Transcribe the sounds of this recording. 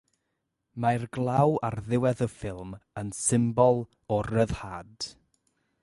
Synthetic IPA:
majrɡlˠawarðɪwɛðəfɪlˠmənsɪmbɔlˠ | ɔrəðhaːd̥

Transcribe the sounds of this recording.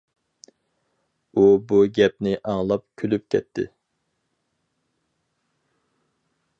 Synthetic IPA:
ubuɡʲɛp̚nɪʔɑŋlˠɑp̚kʲʰølyp̚kʲʰɛ̰t̪ʰːɪ̰

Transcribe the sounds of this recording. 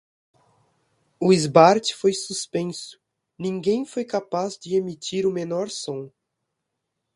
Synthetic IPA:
ʊizbaɾt͡ʃɪ̥fojsuspẽsʊ̥ | nĩŋɡẽj̃fojkapazd͡ʒɪemit̪iɾʊmenɔɾsõ

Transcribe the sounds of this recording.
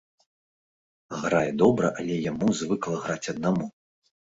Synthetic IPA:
ɣɾajɛd̪ɔbɾɐ̰ʔalʲɛjamuzvɨklˠɐɣɾat͡sʲɐd̪̚namu

